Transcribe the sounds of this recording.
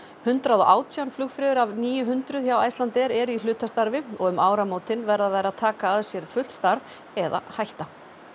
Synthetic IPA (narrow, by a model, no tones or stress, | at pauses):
hʏnt̪ɾaðɔʔaːwt̪ʰjawnflʏɣfɾɪːðʏɾavniːjʏɦʏnt̪ɾʏðçawajst̪lant̪ɛɾɛɾʏilʏːt̪ast̪aɾvɪɔɣʏmaːwɾamoːwt̪ɪnvɛɾðaðajɾaðt̪ʰaːkaaðsjɛɾ̥fʏl̥t̪st̪aɾv | ɛða̰hajht̪a